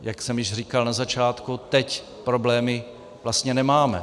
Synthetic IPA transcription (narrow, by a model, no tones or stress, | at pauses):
jaksɛmjɪʃr̝iːkalnazat͡ʃaːt̪kut̪ɛc | pɾo̞blɛːmɪ | vlast̪ɲɛnɛmaːmɛ̰